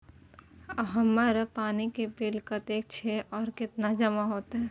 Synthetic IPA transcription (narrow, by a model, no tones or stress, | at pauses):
əɦəmːaɾəpaːnikebɪlkət̪eːk̚t͡ʃʰeʔɔːɾkɪt̪nad͡ʒəmaɦoːt̪ɦɛ